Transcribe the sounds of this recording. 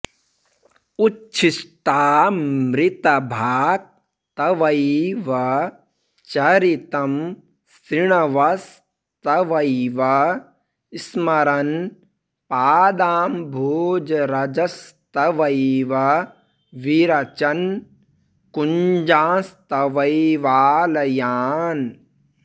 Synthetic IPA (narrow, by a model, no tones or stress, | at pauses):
ut͡ʃʃʰisʈaːmɾɪt̪ɐbʱaːk̚ | t̪ɐʋɐjʋɐ | t͡ʃɐɾit̪ɐm | sɾiɳɐʋɐs | t̪ɐʋɐjʋɐ | ismɐɾɐn | paːd̪aːmbʱoːd͡ʒɐɾɐd͡ʒɐst̪ɐʋɐjʋɐ | ʋiɾɐt͡ʃɐn | kuɲd͡ʒãːst̪ɐʋɐjʋaːlɐjaːn